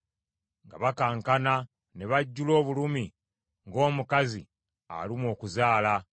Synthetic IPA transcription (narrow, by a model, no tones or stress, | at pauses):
ŋɡa̰βakaːŋkana | ne̞βaɟːulo̞ːβulumi | ŋɡo̞ːmukazḭ | a̰limwo̞ːkuzaːla